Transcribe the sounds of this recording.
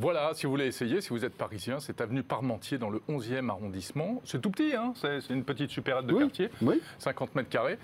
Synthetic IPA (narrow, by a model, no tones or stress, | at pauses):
vwalasivuvuleːsejesivuzɛt̪̚paʁizjɛ̃sɛt̪avnypaʁmɑ̃t̪ʰjed̪ɑ̃ləɔ̃zjɛmaʁɔ̃d̪ismɑ̃sɛt̪upt̪iɛ̃sɛsɛynpət̪it̪sypɛʁɛd̪̚d̪əkaʁt̪ʰjewisɛ̃kɑ̃t̪mɛt̪χkaʁe